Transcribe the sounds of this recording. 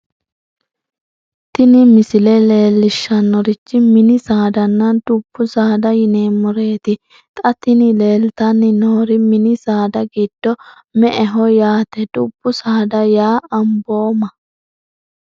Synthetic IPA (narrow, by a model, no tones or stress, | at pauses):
t̪ɪnɪmɪsɪlɛle̞ːlːɪʃːɐnːɔɾɪt͡ʃːɪmɪnɪsaːd̪ɐnːɐd̪̥ʊb̥ːʊsaːd̪ɐjɪneːmɔɾe̞ːt̪ɪ | t̪ʼɐt̪ɪnɪleːlt̪ɐnːɪnoːɾɪmɪnɪsaːd̪ɐɡid̪̥ːɔ | mɛʔɛɦɔjaːt̪ɛd̪ʊbːʊsaːd̪ɐjaːɐmboːmɐ